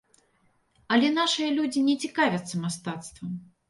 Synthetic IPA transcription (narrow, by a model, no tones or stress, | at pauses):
ɐlʲɛnaʂɨjɐlʲud͡zʲinʲɛt͡sʲikavʲɐt̪sːɐmast̪at̪st̪vɐm